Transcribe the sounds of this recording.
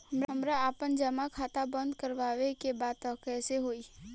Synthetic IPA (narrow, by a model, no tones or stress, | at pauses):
həmɾɦəmɾaaːpənd͡ʒəmakʰaːt̪abə̃nd̪kəɾʋaːʋekebaːd̪t̪əkɛːseɦoːi